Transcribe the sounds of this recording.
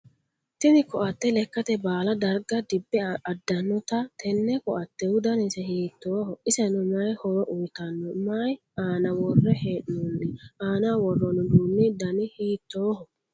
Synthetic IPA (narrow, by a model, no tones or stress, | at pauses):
t̪ɪnɪkɔʔɐt̪ːɛlɛkːɐt̪ɛbaːlɐd̪ɐɾɡɐd̪ɪbːɛɐd̪ːɐnːɔt̪ɐt̪ʰɛnːɛkɔʔɐt̪ːɛwʊd̪ɐnɪsɛhiːt̪ːoːhɔɪsɛnʊmɐjhɔɾɔʔʊjt̪ɐnːɔmɐj | aːnɐwɔrːɛheːʔnɔnːɛaːnawɔrːɔnʊd̪uːnːɛd̪ɐnɪhiːt̪ːoːhɔ